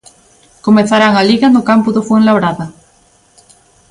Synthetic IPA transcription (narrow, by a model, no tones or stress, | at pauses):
komẽθaɾaŋaliɣanokampoðofweŋlaβɾaða